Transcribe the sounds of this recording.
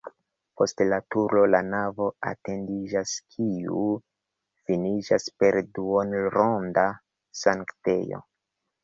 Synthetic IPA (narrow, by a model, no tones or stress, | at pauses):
pʰo̞stlatuɾlo̞lanavo̞a̰te̞ndid͡ʒaskʰiu | finid͡ʒaspe̞ɾduonɾonda | saŋkte̞jo̞̰